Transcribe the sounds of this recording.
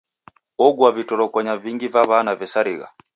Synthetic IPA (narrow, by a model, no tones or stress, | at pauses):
ɔɡwavitɔɾɔkɔɲaviŋɡivaβanavɛsaɾiɣa̰